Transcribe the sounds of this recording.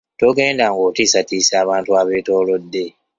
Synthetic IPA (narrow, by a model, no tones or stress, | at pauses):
tok̬ẽdãŋɡɔtisatisaβãntuabetɔːlodːe